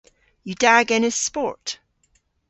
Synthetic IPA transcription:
jədaɡɪ̃nɪz̥spɔɹt

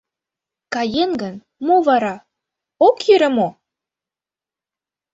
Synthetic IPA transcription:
kɑjenɡə̆n | moβɑɾɑ | okjyɾĕmo

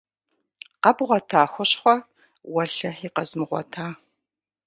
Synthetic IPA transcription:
qɐbʁʷɔtʰaːxʷɔɕχʷɔ | wɐɬɐħiːqɐzmɨʁʷɔ̰tʰaː

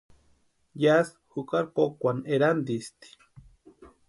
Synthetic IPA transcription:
jas | hukaɾkokʷaneɾand̪ist̪i̥

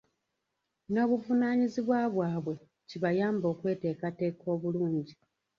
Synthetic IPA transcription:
no̞ːβuvunaːɲiziβwaβwaːβwe̞ | ciβajaːmbo̞ːkwe̞ːte̞ːkate̞ːko̞ːβuluːɲɟi

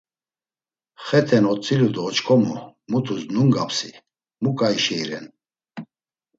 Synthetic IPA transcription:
χɛt̪ʰɛnɔt͡sʼilud̪ɔːt͡ʃkʰɔmṵmut̪ʰusnuŋɡapʰsi | mukʼaiʃɛiɾɛn

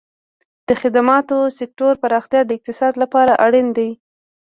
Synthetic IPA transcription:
d̪̥əxɪd̪amɑt̪osɪk̚ʈoɾpaɾɑxt̪jɑd̪əɪq̚t̪ɪsɑd̪lapɑɾaʔaɽind̪aj

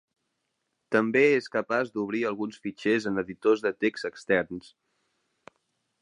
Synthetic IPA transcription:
t̪əmbeeskəpazd̪uβ̞ɾiəlˠɣunsfit͡ʃezənəðit̪ozðət̪ekst̪əkst̪ɛrns

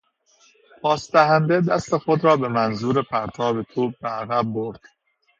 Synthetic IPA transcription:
pʰɒːsd̪æɦænd̪e̞d̪æst̪e̞xo̞d̪ɾɒːbe̞mænzuːɾe̞pʰæɾt̪ʰɒːbet̪ʰuːb̚beæɣæb̚ːoɾd̪̥

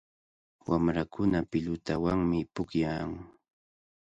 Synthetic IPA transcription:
wamɾakʰʊnapɪʎʊt̪awaŋmɪpʊkjaŋ

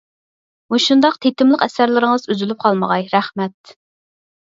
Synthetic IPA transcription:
muʃund̪ɑqt̪ʰet̪ɪmlˠəqɛsæɾlɪɾɪŋəzyzylyp̚qʰɑlˠməʁɑjɾæχmɛt̪̚

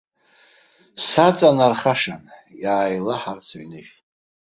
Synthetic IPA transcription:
sat͡sʼanarχaʂanjaːjlaħart͡sʰaɥnɨʒʼ

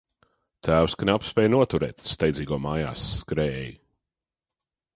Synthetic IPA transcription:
t̪ʰæːwskaneapspɛːjnuɔt̪uɾɛːt̪st̪ajd̪ziːɡɔmaːja̰ːskɾɛːji

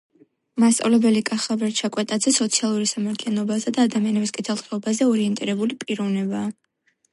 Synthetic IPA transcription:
mast̪sʼa̰vlɛbɛlikʼaχavɛɾt͡ʃʰakʼwɛt̪ʼad̪zɛsɔt̪sʰialˠuɾisamaɾt̪ʰlianɔbazɛd̪aːd̪amianɛbiskʼit̪ʰɛlˠt̪ʰʼχɛɔbazɛɔɾiɛnt̪ʼiɾɛbulipʼiɾɔvnɛbaː

